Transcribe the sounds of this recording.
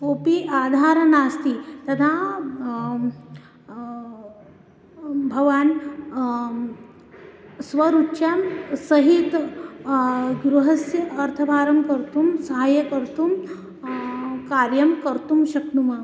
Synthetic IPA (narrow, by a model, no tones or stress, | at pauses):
opiʔad̪ʱaɾənast̪it̪ɐd̪ʰʱa | bʱɐʋaːn | sʋɐɾutːʃamsɐɦit̪ | ɡɾuɦɐsjɐɐɾt̪ʰɐbʱaːɾɐmkəɾt̪uːmsɐɦaːjɐkəɾt̪um | kaɾjɐmkəɾt̪umɕɐknuma